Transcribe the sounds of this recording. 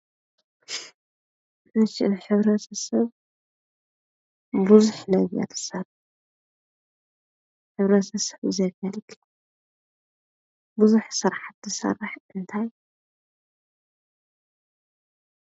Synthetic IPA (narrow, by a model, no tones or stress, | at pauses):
ɨʃɪʔɨnħɨβɾɐt̪ʰɐsɐβ | buzuħnɐβja̰t̪ʰɨ̥sɐr | ħɨβɾɐt̪ʰɐsɐ̥βɨzɐβalɨkʰːɨ | buzuħsɨɾħat̪zɨsɐ̰rɨħʔɨnt̪ʰaj